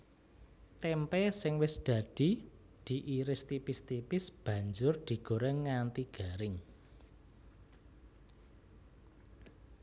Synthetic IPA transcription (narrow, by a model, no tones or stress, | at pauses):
t̪ɛmpɛsɪŋwɪsd̪̥ä̤d̪̥i̤ | d̪̥i̤ʔiɾɪst̪ipist̪ipɪsb̥ä̤ɲd͡ʒʊrd̪̥i̤ɡ̥o̤ɾɛŋːant̪iɡ̥a̤ɾɪŋ